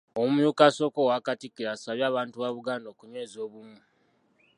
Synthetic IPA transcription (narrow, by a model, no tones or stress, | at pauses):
omujuːkaso̞kowakatikːiɾaːsaβjaːβaːntuβaβuɡaːndo̞ːkuɲwe̞ːzio̞ːβumu